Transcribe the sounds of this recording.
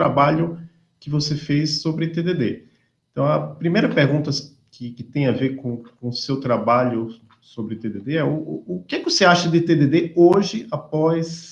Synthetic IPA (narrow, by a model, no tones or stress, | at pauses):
ɾabaʎʊ | kɪvosefejsːobɾɪt̪ed̪ed̪e | ẽt̪ɐ̃w̃ɐpɾimejɾɐpeɾɡũnt̪ɐ | kɪkɪt̪ẽj̃aveɾkõkõsewt̪ɾabaʎʊ | sobɾɪt̪ed̪ed̪eɛʊːkɛkɪvoseaʃɐd̪ɪt̪ed̪ed̪eoʒɪapɔjs